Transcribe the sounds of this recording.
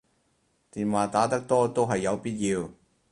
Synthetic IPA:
t̪iː˨˩nwaː˨˩t̪aː˨˥t̪ɐ˥k̚t̪ɔː˥t̪o˥wɦɐ˨jːɐ˨˧wpiː˥t̚jiː˧w

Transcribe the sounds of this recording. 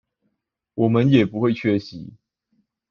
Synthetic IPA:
wɔ˨˩mə˨˦njɛ˨˩pu˨˦xwe˥˨ɪt͡ɕʰɥɛ˦˥ɕi˨˦

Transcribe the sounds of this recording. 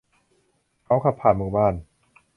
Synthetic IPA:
kʰa˦˥wkʰa˧˩pʰːaː˨˩nmuː˧˩baː˥˩n

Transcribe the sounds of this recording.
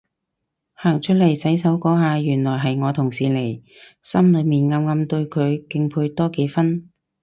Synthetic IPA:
haː˨˩ŋt͡ʃʰɵ˥t̚le˨˩jsɐ˨˥jsɐ˨˥wkɔː˨˥ɦaː˨˧jyː˨˩nlɔː˨˩jɦɐ˨jŋɔː˨˧t̪ʰʊ˨˩ŋsiː˨le˨˩j | sɐ˥mlɵ˨˧ɥmiː˨˩nŋa˧mŋɐ˧mt̪ɵ˧ɥkʰɵ˨˧ɥkɪ˧ŋpʰuː˧jt̪ɔː˥ke˨˧jfɐ˥n

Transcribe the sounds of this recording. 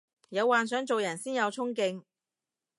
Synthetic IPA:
jɐ˨˧wːaː˨nsœː˨˥ŋt͡so˨wjɐ˨˩nsiː˥njɐ˨˧wt͡sʰʊ˥ŋkɪ˧ŋ

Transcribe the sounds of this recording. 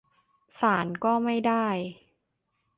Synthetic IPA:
saː˩˦nkɔː˥˩ma˥˩jdaː˥˩j

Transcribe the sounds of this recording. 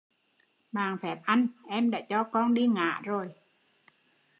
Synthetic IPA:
ɓaː˨˩ŋfɛ˨˦˥p̚ʔa˧nʔɛ˧mɗa̰ː˧˥t͡ɕɔ˧kɔ˧nɗi˧ŋa̰ː˧˨zo˨˩j

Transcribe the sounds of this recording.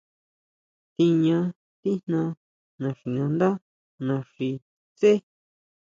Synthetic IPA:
t̪i˧ɲã˧ | t̪i˦n̥nã˧ | nã˨ʂi˨nã˧nd̪a˦ | nã˨ʂi˧ | t͡se˦

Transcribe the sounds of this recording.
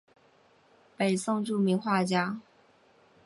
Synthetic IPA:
pe˨˩ɪsʊ˥˧ŋʈ͡ʂu˥˩mi˧˥ŋxwa˥˩t͡ɕja˥

